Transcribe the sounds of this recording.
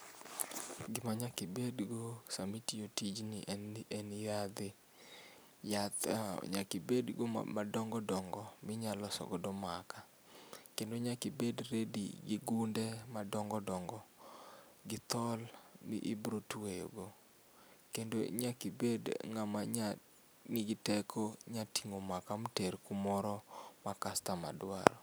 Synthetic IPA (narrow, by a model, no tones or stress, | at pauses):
ɡɪmaɲakibedɡosamitiotid͡ʒnɪ̰ʔʔenɪjad̪ɪ | jat̪ɲakibedɡo̰adɔŋɡɔdɔŋɡɔmɪɲalɔsɔ̰ɡɔdɔmaka | kendoɲakɪbedɾedḭɡɪɡundɛmadɔŋɡɔdɔŋɡɔ | ɡɪt̪ɔlmḭʔibɾotwejo̰ɡo | kendo̰ɲakibedŋamaɲa | nɪɡɪtɛkʰoɲatiŋomakamteɾkumɔɾɔmakastama̰dwa̰ɾɔ